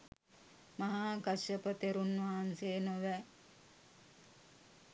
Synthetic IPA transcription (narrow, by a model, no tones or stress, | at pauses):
mɐɦaːɡɐʃəpət̪eɾunʋaɦanseːnoʋɛ